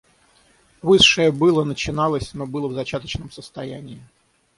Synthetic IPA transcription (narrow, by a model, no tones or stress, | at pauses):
vɨʂːɨjəbɨlˠənət͡ɕɪnɑlˠəsʲnobɨlˠəvzɐt͡ɕat̪ət͡ɕnəmsəst̪ɐjænʲɪː